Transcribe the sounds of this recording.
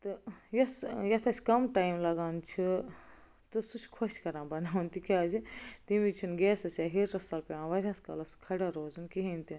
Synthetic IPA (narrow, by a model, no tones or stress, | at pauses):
t̪ɨjɐsjɐt̪ʰɐsʲkɐmʈaːjimlɐɡaːnt͡ʃʰi | t̪ɨsut͡ʃʰkʰoʃkɐɾãːbɐnaːʋunt̪ikʲaːzit̪imit͡ʃʰunɡeːsɐsʲaːɦiɾɾɐst̪aːlpeãːʋɐɾʲãskɐ̰lɐskʰɐɽaɾoːzunkiɦint̪in